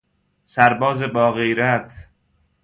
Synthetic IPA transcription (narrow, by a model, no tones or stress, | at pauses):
sæɾbɒːzebɒːɣejɾæt̪ʰ